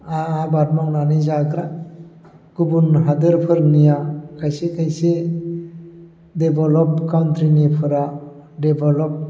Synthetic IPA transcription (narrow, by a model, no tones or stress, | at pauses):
aabat̚maŋnanizakʰɾa | ɡ̥ubunɦadɯɾpʰɯɾnijakʰajsekʰajse | debɔlɔp̚kawnt̪ʰɾinipʰɯɾadebʱɔlɔp̚